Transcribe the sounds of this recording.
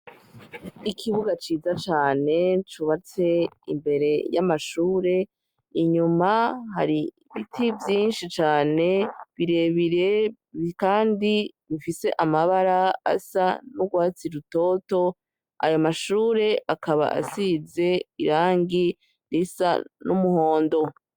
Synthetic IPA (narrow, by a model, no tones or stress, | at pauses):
ikʰiβuɡat͡ʃiːzat͡ʃaːne̞t͡ʃuβat͡se̞ḭmbe̞ɾe̞jamaʃuːɾe̞ | iɲumahaɾi | βitʰivjiːnʃit͡ʃaːne̞βiɾe̞βiɾe̞ | kaːndiβifise̞ʔamaβaɾaa̰sanuɡwaːt͡siɾuto̞ːto̞ | a̰jomaʃuːɾe̞ʔakʰaβa̰ʔa̰size̞iɾaːŋɡi | ɾisa̰numuho̞ːndo̞